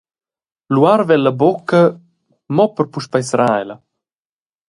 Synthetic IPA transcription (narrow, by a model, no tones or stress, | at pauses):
luaɾvɛlːɐbokːɐ | mɔpəɾpuʃpajsɾajlɐ